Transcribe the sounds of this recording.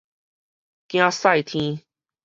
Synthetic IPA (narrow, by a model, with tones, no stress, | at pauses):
kj̃ã˦sa˥˧˩jt̪ʰĩ˦